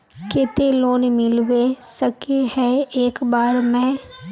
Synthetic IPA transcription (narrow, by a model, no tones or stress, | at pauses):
ket̪eloːnmɪlwesəkehɛ̃eːkbaːɾmɛ̃ː